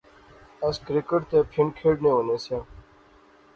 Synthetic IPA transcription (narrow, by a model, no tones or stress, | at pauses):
əskɾɪkəʈt̪eːpʰɪnkʰeːɖnẽːoːneːsãː